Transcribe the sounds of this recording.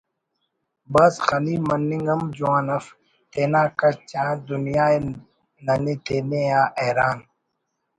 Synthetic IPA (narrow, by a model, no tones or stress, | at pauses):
bɐsxɐliːmɐnːĩŋɡɐmd͡ʒuaːnɐf | t̪eːnaːkɐt͡ɕãːd̪unijaːe | nɐnit̪eːneaːʔeːɾaːn